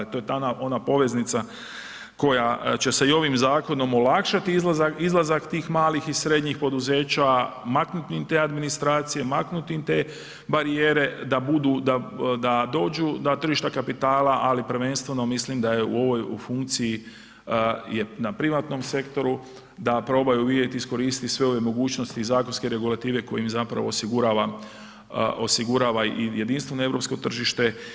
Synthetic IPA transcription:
it̪o̞jet̪aaʔo̞napo̞ʋe̞znit̪sa | ko̞jat͡ɕe̞seio̞ʋimzaːko̞no̞mo̞lakʃat̪izlaaizlˠazakt̪iːxmaːlixisɾe̞d̪ɲixpo̞d̪uze̞ːt͡ɕamaknut̪imt̪eːad̪minist̪ɾaːt̪sije̞maknut̪iimt̪e̞ | baɾijeːɾe̞d̪abud̪ud̪ad̪ad̪o̞ːd͡ʒud̪at̪r̩ʒiʃt̪akapit̪aːlaʔalipɾ̩ʋe̞nst̪ʋe̞no̞mislimd̪ajeṵo̞ʋo̞jufuŋk̚t̪siji | jenapɾiʋat̪no̞mse̞kt̪o̞ɾu | d̪apɾo̞ːbajuʋidet̪iisko̞ɾiːst̪isʋe̞o̞ʋje̞mo̞ɡuːt͡ʃno̞st̪izaːkonske̞ɾe̞ɡulˠat̪iːʋe̞ko̞jimizapɾa̰ʋo̞ːsiɡuɾaːʋa | ʔo̞siɡuɾaːʋaije̞d̪inst̪ʋe̞noeɾo̞psko̞t̪r̩ʒiʃt̪e̞

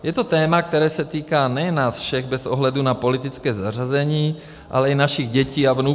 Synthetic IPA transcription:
jɛt̪ot̪ɛːmak̚t̪ɛɾɛːsɛt̪iːkaːnɛjɛnːaːsfʃɛɣbɛzʔoɦlɛdunapo̞lɪt̪ɪt͡skɛːzar̝azɛɲiː | ʔa̰lɛinaʃiɣɟɛciːavnu

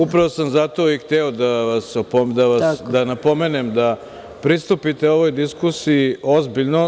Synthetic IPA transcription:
upɾaʋo̞samzat̪o̞ːixt̪ɛod̪aʋasopod̪aʋad̪anapo̞meːnemd̪a | pɾist̪upit̪eo̞ʋo̞jd̪iskusijio̞zbiʎno̞

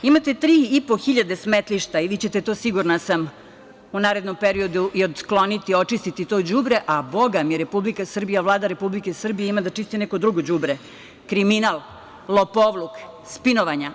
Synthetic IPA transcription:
imat̪e̞t̪ɾiːipoxiʎad̪esmet̪liʃt̪aiʋiːt͡ɕe̞t̪e̞t̪o̞siɡuɾnasam | unaːɾe̞d̪nompeɾio̞d̪uʔio̞d̪sklo̞nit̪io̞t͡ʃist̪it̪it̪o̞d͡ʑubɾe̞ʔabo̞ɡamjeɾepublikasr̩bijaʋlˠaːd̪aɾe̞publike̞sr̩bijeimad̪at͡ʃist̪ineko̞d̪ɾuɡod͡ʑubɾe | kɾiminalˠ | lˠopoʋlˠukspinoʋaɲa

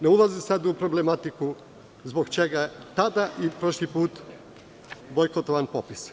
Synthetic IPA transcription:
neulazisad̪upɾoblemat̪iku | zbo̞ɡt͡ʃeɡat̪ad̪aʔipɾoʃlipuːt̪ | bojkot̪oʋanpopis

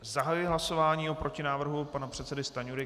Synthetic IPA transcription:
zaɦajɪɦlaso̞vaːɲiːopɾo̞cɪnaːvr̩ɦupanapr̝̥ɛt̪sɛdɪst̪aɲuɾɪ

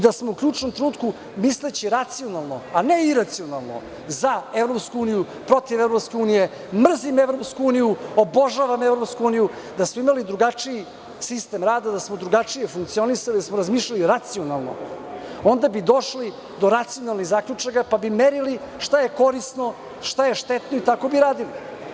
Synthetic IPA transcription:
d̪asmoukʎʲuːt͡ʂnomt̪ɾenuːt̪ku | mislet͡ɕiɾat̪sionalˠnoaneiɾat̪sio̞nalˠno̰ | zaevɾo̞pskuuːniju | pɾo̞t̪iʋevɾopskʲe̞uːnije̞ | mr̩zimevɾo̞pskuuːnijuoboʒaʋamevɾo̞pskuuːniju | d̪asmoimalid̪ɾuɡat͡ʂii | sist̪emɾaːd̪ad̪asmo̞d̪ɾuɡat͡ʂije̞fuŋk̚t̪sio̞nisalid̪asmo̞ɾazmiːʃʎaliɾat̪sio̞nalˠno̰o̞nd̪abid̪o̞ʃli | d̪o̞ɾat̪sijo̞nalˠniɣzaːkʎʲut͡ʂakapabimeɾili | ʃt̪ajeko̞ɾist̪no̞ | ʃt̪ajeʃt̪et̪no̞it̪ako̞biɾaːd̪ili

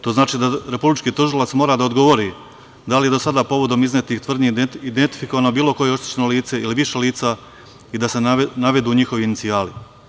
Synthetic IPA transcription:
t̪o̞ːznaːt͡ʃiːd̪aɾe̞publit͡ʃkiːt̪uʒilˠat̪smo̞ːɾaːd̪aod̪ɡo̞ʋo̞ɾi | d̪alije̞d̪o̞sad̪aːpo̞ʋo̞d̪o̞miznet̪ixt̪ʋr̩d̪ɲiid̪ent̪i̥fiko̞ʋaːnobiːlˠo̞ko̞jeo̞ʃt̪i̥t͡ɕenoliːt̪se̞iliʋiʃe̞liːt̪sa | id̪ase̞naʋe̞d̪uːɲixo̞ʋiːnit̪siaːli

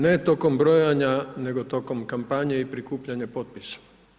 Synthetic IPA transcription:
net̪okombɾojaɲaneɡot̪okomkampaɲeipɾikuːpʎaɲapot̪̚pisḁ

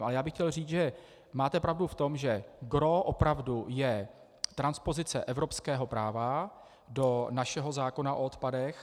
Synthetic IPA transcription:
ʔalɛjaːbɪxcɛlriːt͡sʒɛ | maːt̪ɛpɾavduft̪o̞mʒɛɡɾoʔopɾavdujɛ | t̪ɾanspo̞zɪt͡sɛ̰ʔɛvɾo̞pskɛːɦo̞pɾaːva | do̞naʃɛɦozaːko̞naʔoot̪padɛx

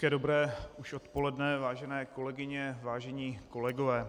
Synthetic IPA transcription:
kɛdobɾɛːuʃo̞t̪po̞lɛdnɛvaːʒɛnɛːko̞lɛɡɪɲɛvaːʒɛɲiːko̞lɛɡovɛː

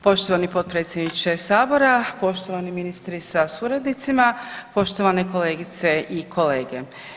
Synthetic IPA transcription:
po̞ʃt̪oʋanipot̪̚pɾet̪sjed̪nit͡ʃesaːboɾapo̞ʃt̪oʋaniminist̪ɾisasuɾad̪nit̪simapo̞ʃt̪o̞ʋane̞ko̞le̞ːɡit̪se̞ʔikʰo̞leːɡe

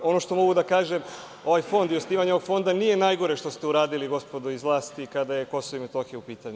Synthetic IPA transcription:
o̞no̞ʃt̪o̞mo̞ɡud̪akaːʒem | o̞ʋajfo̞nd̪iosniːʋaɲoo̞ɡfo̞nd̪anije̞naːjɡo̞ɾeʃt̪o̞st̪euɾaːd̪iliɡo̞spo̞d̪oizlˠaːst̪ikad̪ajeko̞soʋimet̪oxeupiːt̪aɲu

